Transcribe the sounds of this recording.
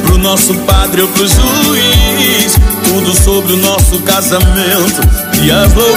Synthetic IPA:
pɾʊnɔsʊpad̪ɾɪewpɾeʒuist̪ud̪ʊsobɾɪʊnɔsʊkazɐmẽnt̪ʊiɐzlo

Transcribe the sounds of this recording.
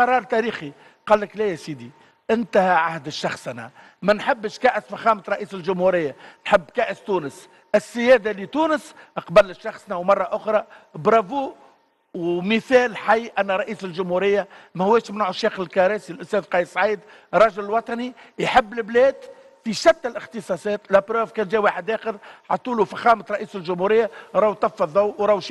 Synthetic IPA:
ɑɾˤɑːɾˤt̪æɾiːxi | qɑːlːəklɛjæsiːd̪i | ʔɪnt̪æhæʕahd̪ʃːɑxsˤnæ̰ | mænħɪbːʃkæːʔəsfæxæːmət̪ɾˤɑʔiːsɪlʒʊmhuɾɪjːanħɪbːkæːʔəst̪uːnəs | ʔɪsːɪjɛːd̪alit̪uːnəsʔəqbælːəʃːɑxsˤnæwmɑrˤːɑʔʊxɾˤɑbɾˤɑvuː | wmɪθɛːlħajːʔænːɾˤɑʔiːslʒʊmhuɾɪjːamæhʊwɛːʃmɪnʕʊʃeːxɪlkɑɾɛːsilʔʊst̪ɛːðqɑjssˤʕiːd̪ | ɾˤːɑʒɪllwɑt̪ˤɑnijħɪbːlɪblɛːd̪ | fiʃæt̪ːɪlʔɪxt̪ɨsˤɑsˤɛːt̪læpɾoːvkɛːnʒɛːwaːħɪd̪ʔæːxəðħɑt̪ˤːuːlufæxɑːmət̪ɾˤɑʔiːsɪlʒʊmhuɾɪjːaɾˤɑːwt̪ˤːɑfːɑðˤːɑwwɾˤɑwʃ

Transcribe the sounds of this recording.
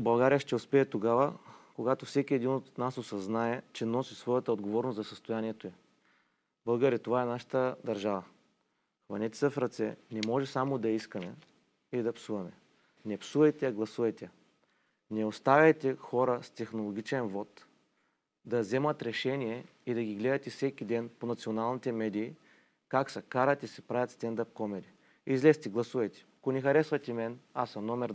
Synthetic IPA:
bɐlˠɡaɾijəʃt̪ɛʊspɛɛt̪oɡavəkoɡat̪ofsɛkʲiɛd̪inot̪nasosɐznaɛt͡ʃɛnɔsisvɔjɐt̪əod̪ɡovɔɾnoszɐsəst̪ojaniɛt̪oɛ | bɤlˠɡəɾit̪ovaɛnaʃə̥t̪əd̪ɐɾʒavə | xvɐnɛt̪ɛ̥səfɾɐt̪sɛ̰nɛmɔʒɛsamod̪ɐiskɐmɛ | iid̪ɐpsuvɐmɛ | nɛpsuvɐjt̪ɛɐɡlˠɐsuvɐjt̪ɛ | nɛost̪avʲɐjt̪ɛxɔɾəst̪ɛxnolˠoɡ̟ʲit͡ʃɛnvɔt̪ | d̪ɐzɛmɐt̪ɾɛʃɛnijɛ | id̪ɐɡʲiɡlɛd̪ɐt̪ɛfsɛkʲid̪ɛnponɐt̪sionalˠnit̪ɛmɛd̪iː | kaksɐkaɾɐt̪isɛpɾavʲjɐt̪st̪ɛnd̪ap̚kɔmɛɾi | izlɛst̪iɡlˠɐsuvɐjt̪ɛ̥ɐkonɛxɐɾɛsvɐt̪imɛnasɐmnɔmɛɾ

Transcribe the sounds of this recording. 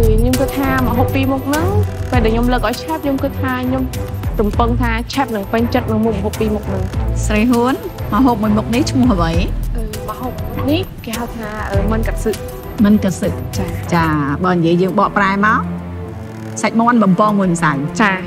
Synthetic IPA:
kɨːɲomkɨt̪ʰːaːməɦoːpːiːmuk̚nɨŋpeːlɗaɛɲomləːk̚ʔaɔwjt͡ɕʰɛp̚ɲomkɨt̪ʰːaːɲomrumpɨŋt̪ʰaːt͡ɕʰɛp̚nɨŋpɨɲt͡ɕət̪̚nɨŋmuk̚məɦoːpːiːmuk̚nɨŋsrəjɦuənməɦoːp̚muəjmuk̚niht͡ɕʰmʊ̆əɦʔəʋəjʔəːməhoːp̚muk̚nihkeːhawt̪ʰaːʔəːmɨnkat̪̚sɨʔ̚ | mɨnkasɨʔ̪̚t͡ɕaːt͡ɕaːɓaːnijiəjəːŋɓɑːʔpraɛmaɔ | sac̚mŏənɓɑmpɑːmuənsawt͡ɕaː

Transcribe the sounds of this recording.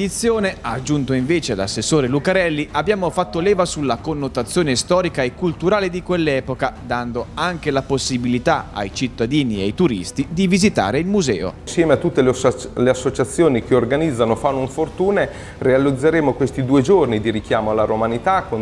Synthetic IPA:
d̪it̪sːjoːneaːd͡ʒːunt̪oiɱveːt͡ʃela̰sːesːoːɾelukaɾɛlːiabːjaːmofat̪ːolɛːvasulːakonːot̪at̪sːjoːnest̪ɔːɾikaekːult̪uɾaːled̪ikwelːɛːpokad̪and̪oaŋk̟elaposːibilit̪aa̰jt͡ʃit̪ːad̪iːniajt̪uɾḭst̪id̪ivizit̪a̰ːɾeilmuzɛ̰ːo̰sjɛːmeat̪ːut̪ːeleasːot͡ʃat̪sːjoːnik̟eorɡanid̪zːanofanːoiɱfort̪uːne | realid̪zːeɾeːmokwest̪id̪uːed͡ʒornid̪iɾikjaːmoalːaɾomanit̪ako

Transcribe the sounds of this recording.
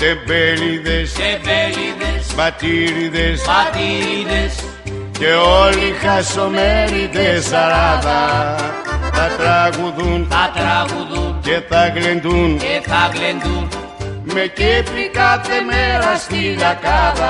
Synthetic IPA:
t̪ebeliðesbliðsbɐt̪iɾiðesat̪iiðes | ceolixesomeɾiðesaɾaðɐ | θɐt̪ɾaɣuðunat̪ɾaɣuðceθɐɣlend̪unθaɣlend̪u | mecepikaθemeɾɐst̪iðakaðɐ

